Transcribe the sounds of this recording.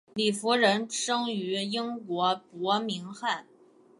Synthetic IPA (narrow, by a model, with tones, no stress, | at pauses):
li˥˩fu˧˥ɻə˧˥nʂɤ˥ŋy˧˥i˥ŋkwɔ˧˥pwɔ˧˥mi˧˥ŋxa˥˩n